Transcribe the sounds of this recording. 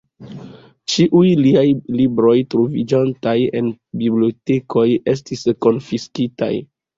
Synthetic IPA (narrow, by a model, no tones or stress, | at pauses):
t͡ʃiʔujliajlibɾo̞jtɾovid͡ʒantaje̞̰nbiblioteko̞je̞s̬tisko̞nfiskita̰j